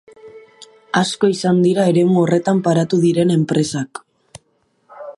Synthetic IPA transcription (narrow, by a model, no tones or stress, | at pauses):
asko̞isand̪iɾae̞ɾe̞muo̞re̞t̪ampaɾat̪uðiɾe̞ne̞mpɾe̞sak